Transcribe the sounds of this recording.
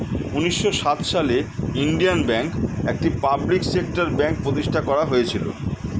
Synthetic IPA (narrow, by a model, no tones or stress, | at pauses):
uniʃːoʃat̪ʃaleinɖianbɛŋkek̚ʈipabliksekʈaɾbɛŋk̚pɾot̪iʃʈʰakɔɾaɦojet͡ɕʰilo̰